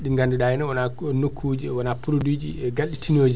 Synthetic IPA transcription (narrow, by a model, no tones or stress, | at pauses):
ɗiŋɡanduɗajɛnɛwananokʰːuːd͡ʒiwanapuɾodud͡ʒiɛɡalɗitʰinoːd͡ʒi